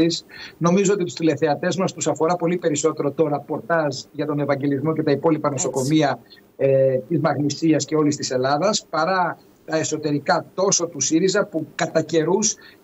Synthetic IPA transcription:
isno̞mizo̞o̞t̪it̪u̥st̪ile̞θe̞ɐt̪e̞zmɐst̪usɐfo̞ɾɐpo̞lipe̞ɾiso̞t̪e̞ɾo̞t̪o̞ɾɐpo̞ɾt̪ɐzʝɐt̪o̞ne̞vɐɲɟe̞lizmocet̪ɐipo̞lipɐno̞so̞ko̞miɐ | t̪izmɐɣnisiɐsce̞o̞list̪ise̞lɐðɐspɐɾɐ | t̪ɐeso̞t̪e̞ɾikɐt̪o̞sot̪usiɾizɐpukɐt̪ɐce̞ɾus

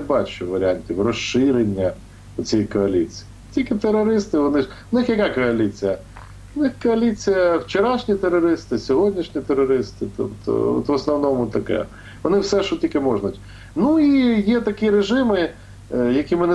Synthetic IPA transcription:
bɑt͡ʃʊʋɐɾʲɪanʲtʲiwrɔʃɪɾenʲːɐ | ʊt͡sʲijikɔɐlʲit͡sʲi̥jitʲikɪt̪eɾːɔɾɪst̪ɪʋɔnɪ | nɪxjɐkakɔɐlʲit͡sʲijɐ | ʊnɪxkɔɐlʲit͡sʲijɐwt͡ʃeɾɑʃnʲit̪eɾːɔɾɪst̪ɪsʲɔɦɔdʲnʲiʃnʲit̪eɾɔɾɪst̪ɪt̪ɔ̰bt̪ɔ̰ɔ̰t̪ʋɔsnɔwnɔmʊt̪ɐkɛ̰ | ʋɔnɪwsɛʃɔtʲilʲkɪmɔʒnʊtʲ | nuijɛt̪ɐkiɾeʒɪmɪ | jɐkʲimɪnɛ

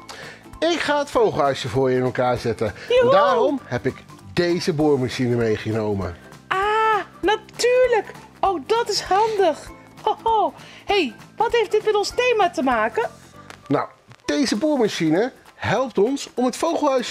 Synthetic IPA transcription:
ɪkχaːɦətfowχəlˠɦœɥsəvʊːɹɪnɛlˠkaːɹzɛtədaːrɔmhɛpɪk | dejzəbuːɹmaʃinəmejχənowmə̰ | ʔanatyːɹlək | owdɑtɪshɑndəχ | o | hejʋɑtɦejftdɪtmɛtɔnstejmaːtəmaːkə | na̰w | d̥ejzəbuːɹmaʃinəɦɛlˠp̚tɔnsɔmətfowχəlˠɦœɥs

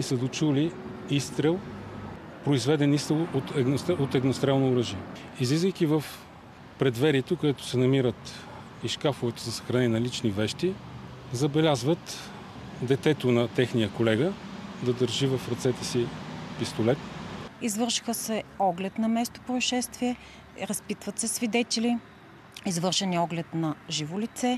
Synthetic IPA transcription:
isəd̪ot͡ʃuli | ist̪ɾɛlˠ | pɾoizvɛd̪ɛnist̪ɛlˠot̪ɛɡnost̪ot̪ɛɡnost̪ɾɛlˠnooɾəʒiɛ | izlizvəjkivəf | pɾɛd̪vɛɾiɛt̪okod̪ɛt̪ʊ̥sɛnɐmiɾət̪ | iʃkafʊvɛt̪ozɐsə̥xɾɐnɛnʲinɐlit͡ʃnivɛʃt̪i | zɐbɛlʲazvət̪ | d̪ɛt̪ɛt̪onɐt̪ɛxnijəkolɛɡəd̪ɐd̪əɾʒivəfɾɐt̪sɛt̪ɛsipist̪olɛt̪izvɤɾʃi̥xəsɛɔɡlɛt̪nɐmɛst̪o̥pɾoiʃɛst̪viɛ | ɾɐspit̪vɐt̪sɛsvid̪ɛt̪ɛlʲi | izvɤɾʃɛniɔɡlɛt̪nɐʒivolit̪sɛ

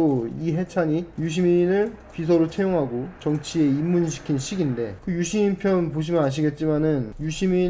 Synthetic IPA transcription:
oiɦe̞t͡ɕʰaɲijuɕ̬ʰiminɯɭpis̬ʰʌɾot͡ɕʰejoŋɦaɡot͡ɕʌŋt͡ɕʰie̞imːunɕ̬ʰi̥kʰinɕʰiɡinde̞kɯjuɕʰiminpʰjʌnnpoɕ̬ʰimɯnaɕ̬ʰiɡe̞t̚t͡ɕ͈imanɯnjuɕʰimi

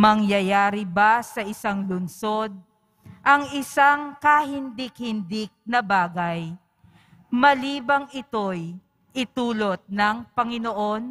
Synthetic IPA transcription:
mɐŋjɐjaːɾɪbasɐʔɪsaŋlʊnso̞d̪̚ | ʔɐŋɪsaŋkɐhɪnd̪ɪk̚hɪnd̪ɪk̚nɐbaːɡɐj | mɐliːbɐŋʔɪt̪o̞j | ʔɪt̪uːlo̞t̪̚nɐŋpɐŋɪnoʔo̞n

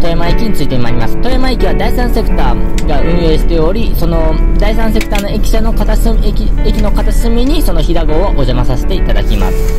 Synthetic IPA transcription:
t̪o̞emaikʲiɲ̟it͡sɨit̪emaɾʲimasɨ̥t̪o̞emaikʲiβad̪aisãɰ̃se̞kɯ̟̥t̪aːɡaɯ̟̃ɰ̃joːɕi̥t̪e̞o̞ɾʲiso̞no̞d̪ais̬ãɰ̃s̬e̞kɯ̟̥t̪aːno̞e̞kʲi̥ɕano̞kat̪asekʲiekʲino̞kat̪asɨmʲiɲ̟iso̞no̞çid̪aɡo̞ːoʔoʑamasaset̪e̞it̪ad̪akʲima̰sɨ̥

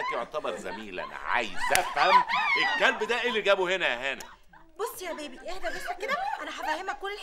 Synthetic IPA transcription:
æt̪joʕt̪æbɑɾˤzæ̰miːlʔæ̰nʕa̰jsæfhæmʔekːælbd̪æʔelːiɡæːbuhenæhænæ | bosˤːjæbeːbiʔehd̪æbesmækːed̪æʔænæħæfæhemːækːolː

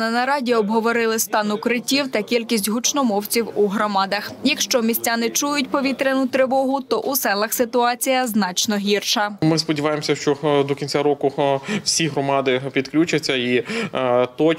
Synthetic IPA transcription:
nɪnɐɾɑdʲiɔbɦɔʋɔɾɪlˠɪst̪ɑnʊkɾɪtʲiwt̪ɐkʲilʲkʲisʲtʲɦʊt͡ʃnɔmɔwt͡sʲiwuɦɾɔmɑd̪ɐxjɐkʃt͡ʃɔmʲisʲt͡sʲanɪt͡ʃujʊtʲpɔʋʲit̪ɾenʊt̪ɾɪʋɔɦʊt̪ɔʔusɛlˠɐxsɪt̪ʊɑt͡sʲijɐznɑt͡ʃnɔɦʲirʃɐmɪspɔdʲiʋɑjemɔsʲɐʃt͡ʃɔd̪ɔkʲinʲt͡sʲaɾɔkʊwsʲiɦɾɔmɑd̪ɪpʲid̪klʲut͡ʃɐt͡sʲːɐi | t̪ɔ

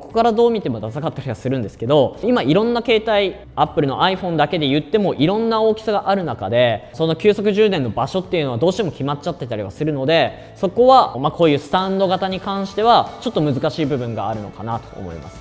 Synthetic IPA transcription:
ko̞̥kaɾad̪o̞ːmʲit̪e̞mo̞d̪asakat̪ːaɾʲiβasɨɾɯ̟̃nd̪e̞sɨ̥ke̞d̪o̞imaiɾõ̞nːake̞ːt̪ai | apːɯ̟ɾʲino̞̰ʔaiɸõ̞nd̪ake̞d̪e̞jɯ̟t̪ːe̞mo̞ʔiɾõ̞nːao̞ːkʲi̥saɡaʔaɾɯ̟naka̰d̪e̞so̞no̞kʲɨ̟ːsokɯ̟ʑɨːd̪ẽ̞nːo̞baɕo̞t̪ːe̞jɯ̟no̞ad̪o̞ːɕi̥t̪emokʲimat͡ɕat̪ːe̞t̪aɾiβa̰sɨɾɯ̟no̞d̪e̞ | so̞ko̞βamako̞ːjɯ̟ːsɨ̥t̪ãnd̪o̞ɡat̪aɲ̟ikãɰ̃ɕi̥t̪e̞βat͡ɕo̞t̪ːo̞mɯ̟zɨkaɕiːbɯ̟bɯ̟̃ŋɡa̰ːɾɯ̟no̞̰kanat̪o̞̰ːmo̞̰ḭma̰sɨ̥

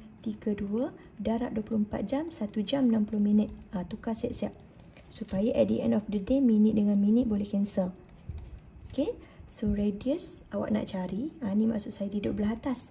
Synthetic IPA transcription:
t̪iɡəduə | daɾa̰ʔ̚duəpulohəmpa̰t̪̚d͡ʒamsat̪ud͡ʒamnãmpulʊhmĩnət̪̚at̪ukasaʔsiaʔ̚ | supajaʔɛdḭʔɛ̰ndɔfdədemĩnit̪̚dəŋãnminit̪̚bolɛhkɛnsəl | ke | soɾediəs | awa̰ʔ̚na̰ʔt͡ʃaɾianĩma̰ʔsʊʔsajadidʊʔ̚bəlaɦat̪as

